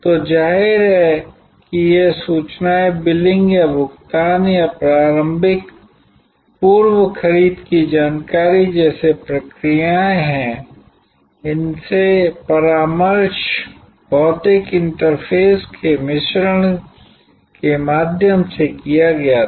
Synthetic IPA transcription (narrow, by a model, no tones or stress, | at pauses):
t̪od͡ʒaːɦɪɾɦɛ | kijesuːt͡ʃnaebɪlɪ̃ŋɡjabʊkt̪aːnjapɾaːɾə̃mbʱɪk | puːɾwəkʰəɾiːd̪kid͡ʒaːnkaːɾid͡ʒɛːsepɾɐkɾijaẽɦɛ̃ | ɪnsepɐɾaːməɾʃ | b̥ɔːt̪ɪkɪ̃nʈəɾpʰeːskʰemɪʃɾəɽ̃ | kemaːd̪ʱjəmsekijaɡɐja